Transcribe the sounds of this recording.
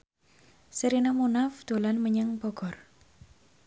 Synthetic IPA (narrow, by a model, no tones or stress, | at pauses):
səɾinamunafd̪̥o̤lanməɲəŋbɔɡɔr